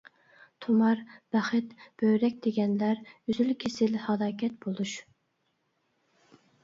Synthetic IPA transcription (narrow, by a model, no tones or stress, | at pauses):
t̪ʰomɑɾb̥æχɪt̪b̥øɥɾɛkʲd̪̥ɪɡʲɛnlæɾyzylkʲʰesɪlhɑdɑːkʲʰɛt̪̚bolˠuʃ